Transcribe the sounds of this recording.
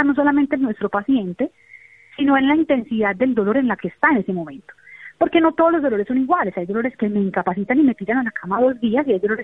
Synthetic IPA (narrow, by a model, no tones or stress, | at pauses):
ano̞s̬o̞lame̞nt̪enːwe̞st̪ɾo̞pasje̞nt̪e̞ | sino̞enlaint̪e̞nsiðad̪̚d̪e̞ld̪o̞lo̞ɾe̞nlakeːst̪aene̞se̞mõ̞mẽ̞nt̪o̥po̞ɾke̞no̞t̪o̞ðolo̞zd̪o̞lo̞ɾesːo̞niɣwale̞sajd̪o̞lo̞ɾe̞ske̞me̞iŋkapasit̪anime̞p̪iɾanenlakʰamaðo̞zd̪iasiajd̪o̞lo̞ɾes